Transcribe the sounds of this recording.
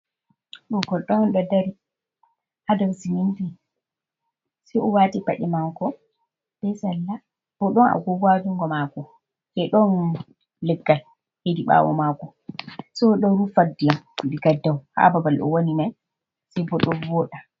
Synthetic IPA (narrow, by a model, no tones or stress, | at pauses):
ɗɔɡɔɗːɔɔnɗɔdaɾi | hadawsiminti | sɛjɔwaːtipa̰ɗɛmaŋkɔ | bɛsalːa | b̥ɔɗɔna̰ɡɔɡwad͡ʒuŋɡɔmakɔ | sɛɗɔn | lɛɡːal | hediɓa̰ːwɔ̰makɔ | sɔɗɔɾufadijanuɗiɡadːawha̰babalɗɔ̰wonimaj | sɛjbɔɗɔnbɔːɗa